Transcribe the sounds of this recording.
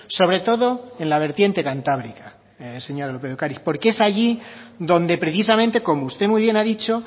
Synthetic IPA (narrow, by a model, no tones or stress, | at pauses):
so̞β̞ɾe̞t̪o̞ðo̞e̞nlaβ̞e̞ɾt̪je̞nt̪e̞kant̪aβɾika | se̞ɲoɾalopeokaɾispo̞ɾkeesaʝiðõ̞nd̪e̞pɾe̞θisamẽnt̪e̞ko̞moust̪e̞muijβje̞naðit͡ʃo̞